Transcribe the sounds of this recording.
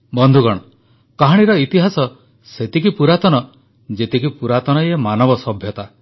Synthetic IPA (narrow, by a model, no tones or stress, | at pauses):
bɔnd̪ʱuɡɔɽ̃ɔ | kaɦaɽ̃iɾɔit̪iɦasɔ | set̪ikipuɾat̪ɔnɔ | d͡ʒet̪ikipuɾat̪ɔnɔjemanɔbɔsɔbʱjɔt̪a